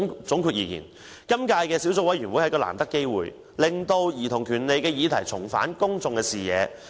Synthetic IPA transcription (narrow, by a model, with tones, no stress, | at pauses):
t͡sʊ˨˥ŋkʰyː˧t̚jiː˨˩kḭː˨˩n | kɐ˥mkaː˧jkɛː˧si˨˥wt͡sʊ˧˥wɐ˨˥jɥyː˨˩nwuː˨˥jhɐ˨˩kɔː˧la̰ː˨˩mt̪ɐ˥kːe˥jwṵː˨j | lɪ˨˩ŋt̪o˧wjiː˨˩t̪ʰʊ˨˩ŋkʰyː˨˩nle˨˧jkɛː˧jiː˨˧t̪ʰɐ˨˩jt͡sʰʊ˨˩ŋfa̰ː˨˥nkʊ˥ŋt͡sʊ˨˧ŋkɛː˧siː˨˩jɛ̰ː˨˧